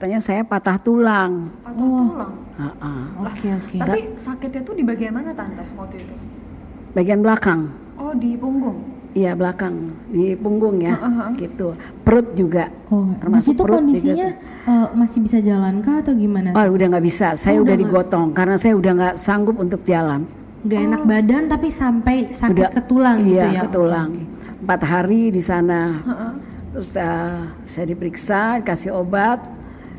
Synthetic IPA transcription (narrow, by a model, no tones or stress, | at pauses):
ət̪aɲasajapat̪aht̪ulaŋpat̪aulaŋ | aʔaokeokeat̪aisaket̪̚ɲat̪udibaɡianmanat̪ant̪asmot̪it̪u | baɡianbəlakaŋ | ɔdipuŋɡʊŋ | ijablakaŋdipuŋɡʊŋjaɡit̪u | pəɾʊt̪̚d͡ʒuɡaʔ | oamasit̪uɾotndiisiiɲa | əmasɪbisad͡ʒalankaːt̪awɡimanaoudahŋɡaʔbisasajaudahdiɡot̪ɔŋkaɾənasajaudahŋɡaʔsaŋɡʊpunt̪ʊk̚d͡ʒialam | ɡaenak̚badant̪apisampajsaukdakət̪ulaŋijajakət̪ulaŋ | əmpat̪ɦaɾidisana | t̪ɾʊsə | sajadipəɾiksadikasɪhobat̪̚